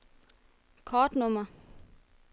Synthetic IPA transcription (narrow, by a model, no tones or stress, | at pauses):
kʰɒːd̥nɔmɐ